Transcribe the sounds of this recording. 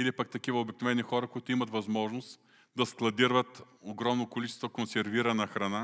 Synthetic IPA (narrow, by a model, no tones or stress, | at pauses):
ilipɐk̚t̪ɐkivəobiknovɛnixɔɾəkʊit̪ʊimɐt̪vɐzmɔʒnost̪ | d̪ɐsklˠɐd̪iɾvət̪ | oɡɾɔmnokolit͡ʃɛst̪vokonsɛɾviɾɐnɐxɾɐna